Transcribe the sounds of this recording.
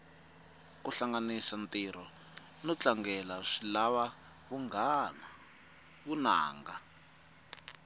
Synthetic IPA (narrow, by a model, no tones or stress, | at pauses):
kuɬaŋɡanisantiɾɔ | nɔt͡ɬaŋɡɛlaʂilaβa | βuŋɡana | βuna̰ːŋɡa